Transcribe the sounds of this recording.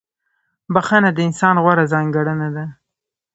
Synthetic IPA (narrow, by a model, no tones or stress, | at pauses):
baxanad̪əɪnsɑnɣwaɾazɑŋɡaɽənad̪a